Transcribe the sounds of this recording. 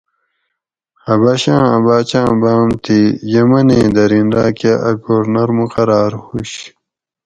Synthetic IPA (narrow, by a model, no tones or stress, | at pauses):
hɐbɐɕãːɐ̰baːt͡ɕãːbaːmt̪ʰijɐmɐnẽːd̪ɐɾinɾaːkaʔɐkoːɾnɐɾmuqɐɾaːɾhuɕ